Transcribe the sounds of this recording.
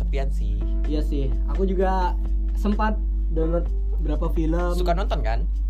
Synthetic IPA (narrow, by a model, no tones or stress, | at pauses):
əpiat̪̚sɪ | h | ijasɪh | akud͡ʒuɡa | səmpat̪̚ | dələt̪̚ | bəɾapafiləmsukanɔnt̪ɔnkan